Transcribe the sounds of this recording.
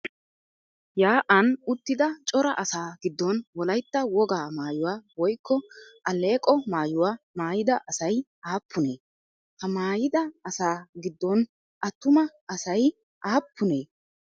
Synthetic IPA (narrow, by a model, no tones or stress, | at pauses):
jaːʔɐnʊt̪ːɪd̪ɐt͡ʃʼɔɾɐ̰ʔɐsaːɡɪd̪ːɔnwɔlɐjt̪ːɐwɔɡaːmaːjʊwaːwɔjkːɔʔɐle̞ːkʼɔmaːjʊwaːmaːjɪd̪ɐʔɐsɐj | aːpʰːʊne̞ː | hɐmaːjɪd̪ɐɐsaːɡɪd̪ːɔn | ʔɐt̪ːʊmɐ | ɐsɐj | ʔaːpːʊneː